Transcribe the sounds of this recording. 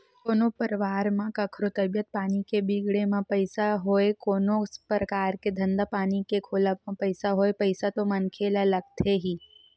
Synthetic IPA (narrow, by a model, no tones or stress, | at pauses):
koːnopəɾʋaːɾmãkəkʰɾot̪əbjət̪̚paːnikebiɡɽemãpəjsaɦoekoːnopɾəkaːɾked̪ʱə̃nd̪apaːnikekʰoːlamãpəɪsaɦoepəɪsat̪omənkʰelaləɡ̚t̪ʰeɦiː